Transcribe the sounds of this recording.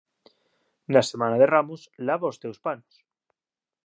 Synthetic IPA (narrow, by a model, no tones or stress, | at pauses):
nasemãnaðeramuslaβaost̪ewspanos